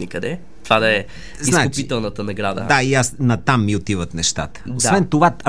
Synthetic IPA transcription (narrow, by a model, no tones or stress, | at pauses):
nikɐd̪ɛ | t̪ovad̪ɐɛ | zisakʊpit̪ɛlˠnət̪ənɐɡɾad̪ə̰d̪aiasnɐt̪amːiot̪ivət̪nɛʃt̪a̰t̪ə̥osvɛnt̪ova